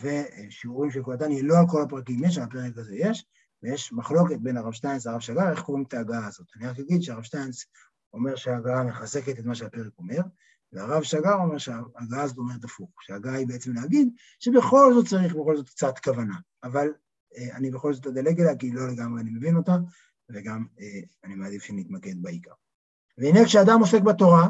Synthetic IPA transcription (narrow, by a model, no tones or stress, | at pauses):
ve̞ʃiuʁimʃekolat̪̬anjelo̞alko̞lapʁakimjeʃ̬alape̞ʁekaze̞je̞ʃ | vejeʃmaχlo̞ke̞t̪̚be̞naʁavʃt̪ajnsaʁavʃaɡaʁe̞χkoʁimet̪aːɡaaːzo̞t̪aniaχkaɡid̪ʃeaʁavʃtains | o̞me̞ʁʃeaɡaame̞χazeke̞tet̪maʃeape̞ʁeko̞me̞ʁ | veaʁavʃaɡaʁo̞meʁʃeaːɡaaːzo̞t̪ome̞ʁet̪afuχʃeaɡaaibeet͡se̞mleaɡid̪ | ʃe̞be̞χo̞lzo̞t̪̚t͡saʁiχbe̞χo̞lzo̞t̪k̚t͡sat̪kavanaːval | eanibeχo̞lzo̞t̪ad̪aleɡelakilo̞le̞ɡamʁeanime̞vino̞t̪a | veɡame | animaːd̪ifʃenit̪make̞d̪̚baikaʁ | veinekʃead̪amo̞se̞kbat̪o̞ʁa